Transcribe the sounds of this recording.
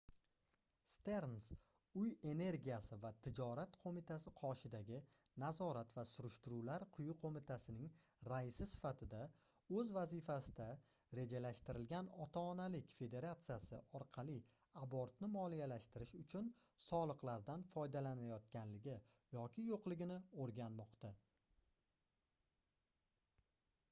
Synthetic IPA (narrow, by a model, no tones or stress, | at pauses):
st̪e̞ɾns | ʊje̞ne̞ɾɡʲijasɪvat̪ʰɪd͡ʒɒɾat̪qʰomɪt̪ʰasɪqʰɒʃɪd̪aɡʲɪ | nazɒɾat̪vasʊɾɪʃt̪ʊɾulaɾqʰʊjʊqʰomɪt̪ʰasɪnɪŋ | ɾaɪsɪsɪ̥fat̪ʰɪd̪a | ɵzvazɪfasɪd̪a | ɾe̞d͡ʒalaʃt̪ɪɾɪlɡʲanɒt̪ʰaːnalɪkʲfe̞d̪e̞ɾat̪sɨjasɪ̰ɒɾqʰɑlˠɪ | aboɾt̪nɪmɒlijalaʃt̪ɪɾɪʃʊt͡ʃʰʊn | sɒlˠɨqlˠaɾd̪anfɒjd̪alanajɒt̪̚kʲanlɪɡʲɪ | jɒkʲʰɪjoqlˠɪɡʲɪnɪoɾɡʲanmɒqt̪a